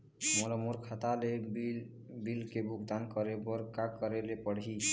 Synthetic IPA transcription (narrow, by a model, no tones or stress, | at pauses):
molɔmoɾkʰat̪alebi | bilkebʱuɡd̪ankəɾebɔɾkakəɾelepəɽ̤ɦi